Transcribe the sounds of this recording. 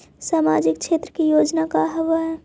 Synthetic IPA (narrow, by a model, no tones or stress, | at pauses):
saːmaːd͡ʒɪkkʰʃeːt̪ɾəkijoːd͡ʒnakaɦəʋaɦɛ